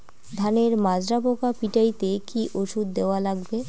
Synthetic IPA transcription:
d̪ʱaneɾmad͡ʑɾabokapiʈajt̪ekiʔoʃud̪d̪eoalaɡbe

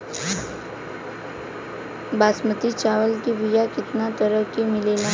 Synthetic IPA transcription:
baːsmət̪it͡ʃaːʋəlkibijakɪt̪nat̪əɾəkimɪleːla

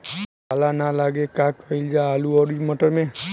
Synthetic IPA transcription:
alanalaɡekakəild͡ʒaaluɔɾiməʈəɾmẽ

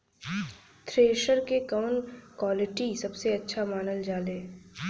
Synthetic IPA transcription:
t̪ʰɾeːʃəɾkekəʋnkwaːlɪʈisɐbseɐtːʃʰamaːnəld͡ʒaːleː

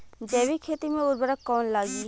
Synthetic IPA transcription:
d͡ʒɛːʋikʰeːt̪imẽʊɾbəɾəkːɔːnlaːɡiː

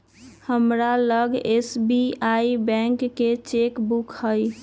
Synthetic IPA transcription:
həmɾaləɡesbiaibɛ̃ŋkːet͡ʃekbukhəj

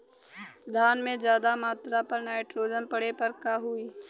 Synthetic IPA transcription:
d̪ʱaːnmẽd͡ʒjaːd̪amaːt̪ɾapɐɾnaːɪʈɾoːd͡ʒəmpɐɽepɐɾkaɦʊiː

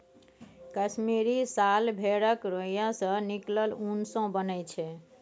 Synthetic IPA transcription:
kəsmiɾisalbʱeɽəkɾojãsə̃nikləlunsõbənət͡ʃʰɛ

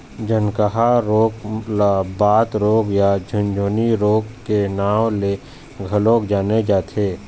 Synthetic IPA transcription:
d͡ʒənkəɦaɾoːklabaːt̪ɾoːkjad͡ʒʱʊ̃nd͡ʒoːniɾoːkːenaːwle | ɡʱəloːkd͡ʒaːned͡ʒaːt̪ʰeː

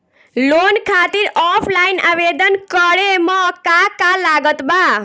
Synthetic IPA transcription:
lonkʰat̪iɾɔpʰlaina̰ʋed̪ənkəɽemãkakalaɡət̪ba

